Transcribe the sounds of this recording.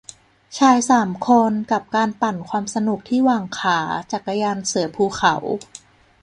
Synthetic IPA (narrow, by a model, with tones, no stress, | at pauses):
t͡ɕʰaː˧jsaː˩˦mkʰo˧nka˨˩p̚kaː˧npa˨˩nkʰwaː˧msa˧nu˨˩k̚t̪ʰiː˥˩waː˨˩ŋkʰaː˩˦t͡ɕa˨˩kːa˧jaː˧nsɯ˨˩˦pʰuː˧˩kʰa˩˦w